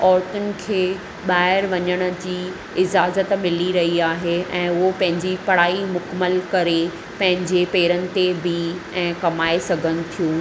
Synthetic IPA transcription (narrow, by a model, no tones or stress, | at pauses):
ɔːɾt̪ʊnɪ̆kʰeː | ɓaːɪɾʋɐɲəɽ̃ə̆d͡ʑiː | ɪd͡ʑaːzət̪mɪliɾɐɦiaːɦeɛ̃ːʊɦopɐ̃ɦɪ̃ɲd͡ʑipɐɽ̤aːimʊkəməlkɐɾe | pɐ̃ɦɪ̃ɲd͡ʑepeːɾənɪ̆t̪ebʱɪɛ̃ːkɐmaːesɐɡʱənɪ̆t̪ʰijũː